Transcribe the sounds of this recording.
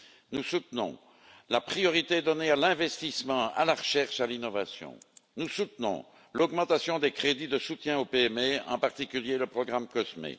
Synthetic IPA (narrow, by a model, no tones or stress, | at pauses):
nusut̪nɔ̰̃ | lapχijɔʁit̪eɛd̪ɔnealɛ̃vɛst̪ismɑ̃a̰laʁəʃɛʁʃalinɔvasjɔ̰̃nusut̪nɔ̰̃ | lɔɡmɑ̃t̪asjɔ̃d̪ekχed̪id̪əsut̪jɛ̃opeɛmeɑ̰̃paʁt̪ikʲyljeləpχɔɡʁamkɔsmḛ